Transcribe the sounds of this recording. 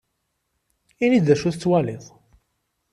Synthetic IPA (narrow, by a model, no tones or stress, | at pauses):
inid̪d̪æʃuθt͡sːwælɪðˤ